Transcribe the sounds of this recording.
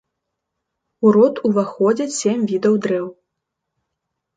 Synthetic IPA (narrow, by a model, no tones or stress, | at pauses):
uɾɔt̪uvaxɔd͡zʲɛsʲemʲvʲid̪ɐwd̪ɾɛw